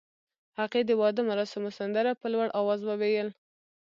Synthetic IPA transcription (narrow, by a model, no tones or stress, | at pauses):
haqed̪əwɑd̪əmaɾɑsamʊsand̪aɾapəlwaɽʔɑwɑzwawejəl